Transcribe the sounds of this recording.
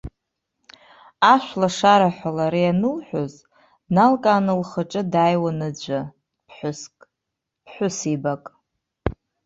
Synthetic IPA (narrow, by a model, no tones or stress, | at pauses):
aʃʷlaʂaɾaħʷalaɾijanɨlħʷᶣoz | nalkʼaːnɨlχəʈ͡ʂʼɨdajwanɨd͡ʑʷa | pʰħʷʊskʼ | pʰħʷʊsibakʼ